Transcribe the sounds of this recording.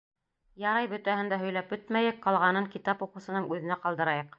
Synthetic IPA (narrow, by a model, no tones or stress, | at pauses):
jɑɾɑjbɵ̆t̪æhɘ̆nd̪æɦɵ̆jlæpɵt̪mæjɘk̚qɑlˠʁɑnɤŋkit̪ɑpuqɤ̆wsɤ̆nɤŋʉðɘ̆næqɑlˠd̪ɤ̆ɾɑjɤq